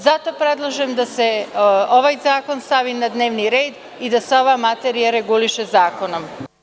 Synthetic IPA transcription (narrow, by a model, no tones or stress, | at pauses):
zat̪o̞pɾe̞d̪lˠoʒemd̪ase̞o̞ʋajzaːko̞nst̪aʋinad̪ne̞ːʋniɾe̞ːd̪ | id̪aseo̞ʋamat̪eɾijaɾe̞ɡuliʃezaːko̞no̞m